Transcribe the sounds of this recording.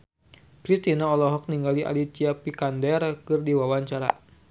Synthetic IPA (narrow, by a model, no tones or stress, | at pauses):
pɾist̪inaɔlɔɦɔk̚niŋɡaliʔa̰lit͡ʃiapikandɛrkɨrdiwawaɲt͡ʃaɾa̰